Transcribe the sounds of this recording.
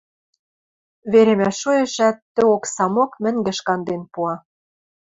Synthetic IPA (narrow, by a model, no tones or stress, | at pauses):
βeɾemæʃujĕʃæt̪ːɘ̆oksɑmokmɘ̆ŋɡɘ̆ʃkɑnd̪enpuɑ